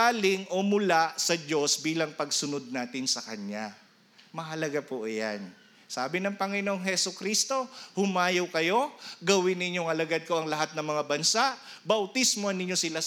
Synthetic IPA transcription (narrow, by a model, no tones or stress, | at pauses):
aːlɪŋʔomʊlaʔsɐd͡ʒo̞sbiːlɐŋpɐɡsʊnod̪̚naːt̪ɪnsɐkɐɲːa | mɐɦɐlɐɡapoʔja̰n | saːbɪnɐŋpɐŋɪnoŋɦhɛsʊkɾist̪o̞hʊmaːjowkɐjo̞ɡɐwɪnːɪɲjoŋʔɐlɐɡad̪̚ko̞ʔɐŋlɐɦat̪̚nɐŋmɐŋabɐnsaʔ | bɐwt̪ismoɐnːɪɲːo̞sɪla